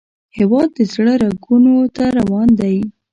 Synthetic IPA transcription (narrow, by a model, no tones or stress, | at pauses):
hɪwɑd̪ːəzɽəɾaɡunot̪aɾawɑnd̪aj